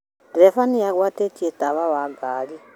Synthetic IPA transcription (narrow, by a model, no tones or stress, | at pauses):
dɛfanijakwatetʼiɛt̪ʼaβawaɡaːɺi